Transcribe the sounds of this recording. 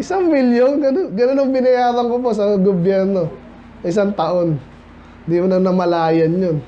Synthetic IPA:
ʔɪsaŋmɪljonɡɐnonɡɐnonɐŋbɪnɐjaːdɐŋkoposɐɡobjɛɾno̞ | sɐɪs̬aŋt̪ɐʔo̞n | d̪imʊnɐŋnɐmɐlaːjɐnjon

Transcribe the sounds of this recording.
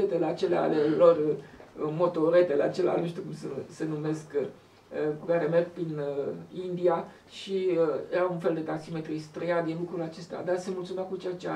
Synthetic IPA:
et̪eleat͡ʃe̞lea̰lelo̞r | mo̞t̪o̞ɾe̞t̪eleat͡ʃe̞lea̰lenuʃt̪jukumsese̞nume̞sk | əkukaɾe̞merɡ̚pɾinəind̪ia | ʃijeɾaunfeld̪e̞t̪aksime̞t̪ɾist̪ɾejad̪inlukɾulat͡ʃe̞st̪ea̰d̪asemult̪sumeakut͡ʃejat͡ʃea

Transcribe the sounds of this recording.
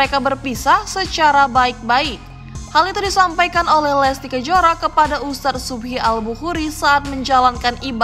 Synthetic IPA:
əɾekabərpisahsət͡ʃaɾabaɪk̚baɪk̚ | halit̪udisampajkanolɛhlɛst̪ikəd͡ʒoɾakəpadaust̪at̪̚subɦialbuhuɾisaːt̪̚məɲd͡ʒalankaniba

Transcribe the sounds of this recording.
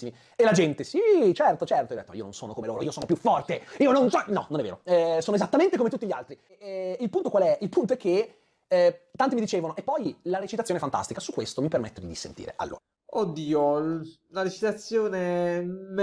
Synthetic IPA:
imi | elad͡ʒɛnt̪esit͡ʃɛrt̪ot͡ʃɛrt̪oid̪ɛt̪ːomaḭo̰no̰nsoːnokomeloːɾo̰iːosoːnopjufːɔrt̪eiːononsɔnɔ̰nonɛvːḛːɾoɛsoːnoezat̪ːament̪ekomet̪ut̪ːiʎialt̪ɾi | ilpunt̪okwalɛʔilpunt̪oɛkːe | t̪ːant̪imid̪it͡ʃeːvonoepːɔjlaɾet͡ʃit̪at̪sjonɛfant̪a̰st̪ikasukːwest̪omipermet̪ːed̪isḛnt̪ḭːɾḛʔa̰lːo̰ːɾa | od̪ːiːo | laɾet͡ʃit̪at̪sːjoːnem

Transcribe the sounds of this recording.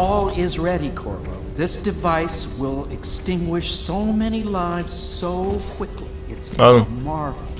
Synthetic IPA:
ɔlˠɪzɹɛɾikʰɔ̰ɹbo̰ʊðɪsd̥ɨvaɪswɪlˠɨkstɪ̃ŋɡwɪʃsoʊmɛnilãɪ̃nz̥soʊkʰw̥ɪkli | ɨtsoʊmɑɹvl̩ˠ

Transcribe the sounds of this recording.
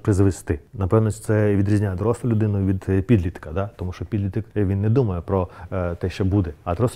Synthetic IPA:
pɾɪzʋest̪ɪnɐpɛwnɔt͡ʃ̪sɛʋʲid̪ɾʲizʲnʲajd̪ɾɔsˠɐlʲʊd̪ɪnʊʋʲid̪pʲid̪lʲit̪kɐd̪at̪ɔmuʃɔpʲid̪ʲlʲit̪ɪkʋʲinːɛd̪umɐjɛpɾɔt̪ɛʃt͡ʃɔbud̪ɛɐd̪ɾɔs

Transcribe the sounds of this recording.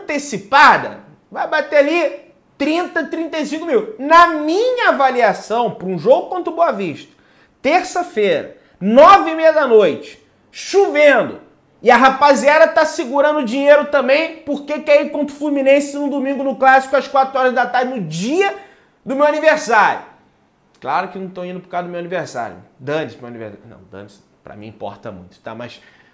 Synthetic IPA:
t̪esipad̪ɐ̰ | vajbat̪eali | t̪ɾĩnt̪ɐt̪ɾĩnt̪ejsĩkʊmiwnɐmĩɲɐavaliasɐ̃w̃pɾũʒoɡʊkwɐ̃nt̪ɾʊboɐviʃt̪ɐ̥ | t̪eɾsɐfeɾɐ̰ | nɔvɪmejɐd̪ɐnojt͡ʃɪ̥ | ʃuvẽnd̪ʊ̰ | ɪɐɦapaziaɾɐt̪asɪɡuɾɐ̃nd̪ʊʊd͡ʒĩɲejɾʊt̪ɐ̃mbẽj̃poɾkekɛikwõnt̪ʊflumĩnẽsɪnʊd̪umĩɡʊnʊklasi̥kʊɐskwat̪ɾʊɔɾɐzd̪at̪aɾd͡ʒɪnʊd͡ʒiɐ | d̪ʊmewaniveɾsaɾjʊ | klaɾʊkɪnɐ̃w̃t̪ɐ̃w̃ĩnd̪ʊpɾʊ̥kaɾɐd̪ʊmewɐniveɾsa̰ɾjʊ̰d̪ɐ̃nismewanivḛɾsanɐ̰̃w̃d̪ɐ̰̃nis | pɾɐ̰mḭ̃ḭ̃pɔ̰ɾt̪ɐ̰mũj̃t̪ʊ̥t̪a̰mɐ̰s

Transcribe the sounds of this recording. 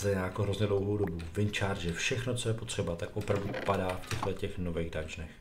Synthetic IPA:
zɛjaːjakoɦɾo̞zɲɛdlowɦowdo̞buvɪnt͡ʃaːɾd̪ʒɛfʃɛxnot͡so̞jɛpot̪r̝̥ɛbat̪akʔopɾavdupadaːfcɛɣlɛcɛxnovɛːɣdad͡ʒnɛx

